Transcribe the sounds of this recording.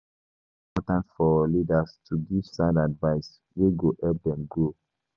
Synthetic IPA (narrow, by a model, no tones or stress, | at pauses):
ĩpɔtãntfɔlidastʰuɡiv̥sãndadvaɪs | weɡohɛp̚dɛ̃mɡo